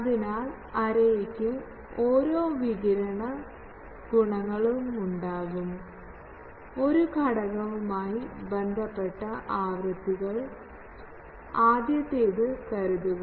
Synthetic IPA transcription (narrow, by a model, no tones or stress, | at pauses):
ɐðinaːl | ɐɾejkʲːɨ | oːɾo̞ːʋiɣɐɾɐɳɐ | ɡuɳɐŋːɐɭumuɳɖaːɣum | o̞ɾukɐɽɐɣɐʋumaːjibend̪ʱɐpːe̞ʈːɐʔaːʋɾɐt̪ːuɣɐɭ | aːd̪jɐt̪ːeːðɨkɐɾuðuʋ